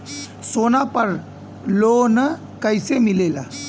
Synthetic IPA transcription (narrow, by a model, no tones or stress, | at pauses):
soːnapəɾ | lonə | kəjsemilela̰